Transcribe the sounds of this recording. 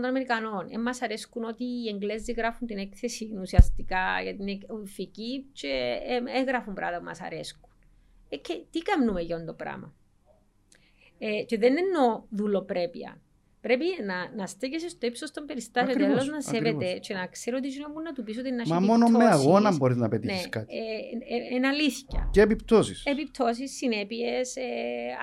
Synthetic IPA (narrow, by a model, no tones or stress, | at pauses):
t̪onameɾikɐno̞nḛmːɐsɐɾeskunot̪iːeŋɡlezːiɣɾafunt̪inekθesinusiɐst̪ikaʝɐt̪inekficit͡ʃeeɣɾɐfumbɾa̰ðɐumɐ̰sɐ̰ɾesku̥n | ekʰːet̪ikamnumeʝond̪opɾa̰mɐ̰ | et͡ʃeðenenːoðulopɾepḭɐ̰ | pɾe̞pinɐnɐst̪eces̬est̪oipsost̪ombeɾist̪asiotiialːosznɐseɾvet̪et͡ʃenɐkseɾoot̪̬izinomːunːɐt̪upis̬ot̪enːɐʃmɐmonommeaɣo̞nɐmboɾiznɐpet̪ineiskat̪i | enɐliscɐ̰ceːpipt̪osisepip̚t̪ʰo̞s̬isːinepiese